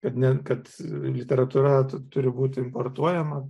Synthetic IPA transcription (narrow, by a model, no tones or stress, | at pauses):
kɐt̪nʲɛkɐt̪lʲɪt̪ʲɛɾɐt̪uːɾɐt̪ʊɾʲɪbuːt̪ʲɪɪmport̪uɔjɛmɐ